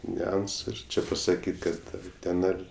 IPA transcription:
nʲʊˈɐnsʊ ɪr ˈt͡ʃʲɪ pɐsɐˈkʲiːtʲ ˈkɐt ɐr ˈtʲɛn ɐr

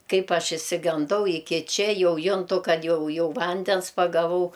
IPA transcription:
ˈkɐɪp ˈɐʃ ɪʃʲsʲɪɡɐnˈdɐʊ ɪˈkʲɪ ˈt͡ʃʲɛ ˈjɛʊ ˈjʊntʊ ˈkɐt ˈjɛʊ ˈjɛʊ ˈʋɐnʲdʲɛns pɐɡɐˈʋɐʊ

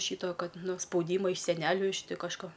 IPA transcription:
ˈʃʲiːtoː ˈkɐt ˈnʊ spɐʊˈdʲiːmɐ ɪʃ sʲɛˈnʲæːlʲʊ ɪʃ ˈtʲɪ kɐʃˈkoː

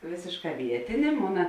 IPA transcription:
ˈʋʲeːsʲeːʃˌkɑː ˈʋʲiɛtʲeːnʲeː ˈmoːnɐ

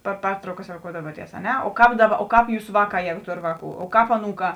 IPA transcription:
pɐr ˈpʲɛrtrɐʊkɐs roːˈkoːʊdɐʋuɔtʲiɛs ɐ ˈnʲɛ oː ˈkɑːp ˈdɑːˌbɐ oː ˈkɑːp ˈjuːsɐ ˈʋɑːˌkɑː ˈjæːɡʊ ˈtoːr ˈʋɑːˌkuː oː ˈkɑːp ɐˈnuːˌkɑː

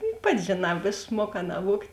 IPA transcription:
jʊk ˈpɑːtʲɪ ʒʲeːˈnɑː ɪʃˈmuɔˌkɑː nɐˈʋuɔktʲ

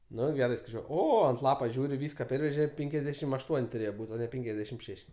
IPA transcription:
ˈnʊ ˈɡʲæːrɐɪ skɐɪˈt͡ʃʲuɔ ˈoː ɐnt ˈlˠɑːpoː ˈʒʲuːrʲɪ ˈʋʲiːskɐ ˈpʲɛrʲʋʲɛʒʲɛ ˈpʲɛŋʲkʲɛzʲdʲɛʃʲɪm ɐʃ ˈtuɔnʲ tʊˈrʲeːjɛ ˈbuːtʲ oː ˈnʲɛ ˈpʲɛŋʲkʲɛzʲdʲɛʃʲɪm ˈʃʲɛʃʲ

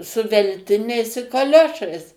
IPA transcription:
sʊ ʋʲɛlʲˈtʲɪnʲɛɪs ɪ kɐˈlʲoːʃɐɪs

